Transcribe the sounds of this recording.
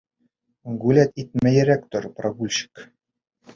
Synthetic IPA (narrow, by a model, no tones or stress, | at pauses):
ɡʉlæt̪it̪̚mæjɘɾækt̪oɾproɡulʲɕɘ̥k